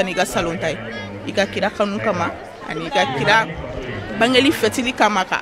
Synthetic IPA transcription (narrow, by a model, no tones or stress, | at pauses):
aniikasalõntaje | ikakiɾakãnũkama | a̰niːkakiɾa | bãŋɡelifɛtilikãmaka̰